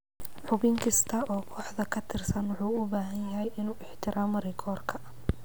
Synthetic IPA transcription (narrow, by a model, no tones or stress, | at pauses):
ħʊbɪŋkʰɪst̪ʰɐʔɔːkʰɔːħd̪ɐkʰɐt̪ʰɪrsɐnwʊħuːʊbaːɦɐnjɐɦɛjʔɪnuːʔɪħt̪ʰɪɾʔaːmɾɪkʰɔːrkʰɐ